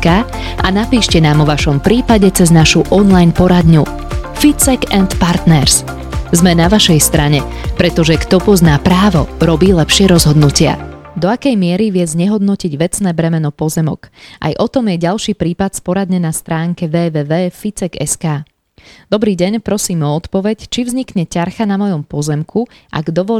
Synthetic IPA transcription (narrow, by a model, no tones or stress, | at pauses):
kaː | ʔanapiːʃcɛnaːmɔʋaʃɔmpɾiːpaɟɛt͡sɛznaʃuʔɔnlajnpɔɾad̪ɲu | fit͡sɛɡɛnt̪paɾt̪nɛɾs | zmɛnaʋaʃɛjst̪ɾaɲɛ | pɾɛt̪ɔʒɛkt̪ɔpɔznaːpɾaːʋɔɾɔbiːlɛpʃɪɛɾɔzɦɔd̪nucɪa̰d̪ɔakɛjmɪɛɾiʋɪɛzɲɛɦɔd̪nɔciɟʋɛt͡snɛːbɾɛmɛnɔpɔzɛmɔ̰ɡ̥ʔa̰jʔɔt̪ɔmjɛɟalʃiːpɾiːpat̪spɔɾad̪ɲɛnast̪ɾaːŋkɛʋɛːʋɛːʋɛːfit͡sɛɡɛ̰skaː | d̪̥ɔbɾiːɟɛɲpɾɔsiːmɔɔt̪pɔʋɛct͡ʃivzɲikɲɛcaɾxanamɔjɔmpɔzɛmkʰuʔa̰ɡd̪ɔʋɔ